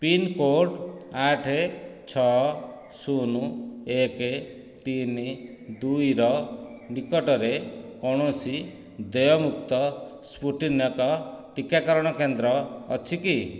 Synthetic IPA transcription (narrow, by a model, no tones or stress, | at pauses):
pinkoɾɖaʈʰet͡ʃʰɔ | sunueke | t̪ini | d̪ujɾɔ | nikɔʈɔɾekɔɽ̃ɔsi | d̪ɔjɔmuk̚t̪ɔspuʈinjɔkɔʈikakɔɾɔɽ̃ɔkend̪ɾɔ̰ːt͡ʃʰiki